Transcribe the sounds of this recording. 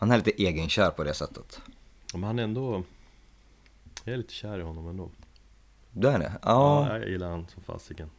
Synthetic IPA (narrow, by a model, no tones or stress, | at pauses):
hanhæɾɭiːt̪əʔeːɡənɕœːɾpʰɔd̪ɛsɛt̪ʰːət̪amɛnhanɛɾɛnd̪ɔ | jɑɛɾliːt̪ʰəɕæːɾɪhɔnːɔmɛnd̪oː | d̪ɛæɖɛ̰ɑːa̰ja̰jɪlːaɾhansɔmfa̰ːsɪɡən